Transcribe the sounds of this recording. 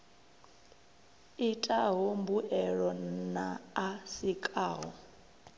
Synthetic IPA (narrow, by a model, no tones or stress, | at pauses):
itʼaɦombuʔɛɺɔna̰ːsikʼaːɦɔ